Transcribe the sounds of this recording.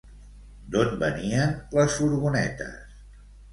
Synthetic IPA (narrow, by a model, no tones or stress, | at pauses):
d̪onbəniənləsfuɾɣunɛ̰t̪ə̰s